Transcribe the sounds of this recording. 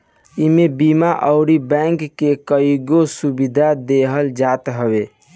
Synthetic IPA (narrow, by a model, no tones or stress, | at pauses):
imebimaʔəʊɾibɛ̃ŋkːekəjiɡosubid̪ʱad̪eɦəld͡ʒat̪ɦəbe